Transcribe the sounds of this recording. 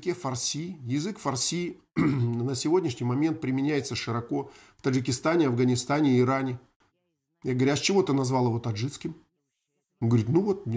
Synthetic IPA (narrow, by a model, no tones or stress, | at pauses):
kʲefɐrsʲijɪzɨkfɐrsʲi | nəsʲɪvo̞dʲnʲɪʂnʲɪjmɐmʲe̞nt̪̚pɾʲɪmʲɪnʲæjɪt̪səʂɨɾɐko̞ | ft̪əʐɨkʲɪst̪anʲɪɐvɡənʲɪst̪anʲɪːɾanʲɪ | jaɡəvɐɾʲast͡ɕɪvo̞t̪ənɐzvɑlˠəvo̞t̪ɐʐɨt̪skʲɪm | oɡəvɐɾʲit̪nuvo̞t̪̚